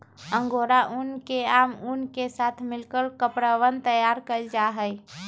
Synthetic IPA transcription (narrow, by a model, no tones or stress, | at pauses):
ə̃ŋɡoɾaʔunkeamunkesat̪ʰmɪlkəlkəpɾəʋənt̪əjaɾkəld͡ʒaɦəj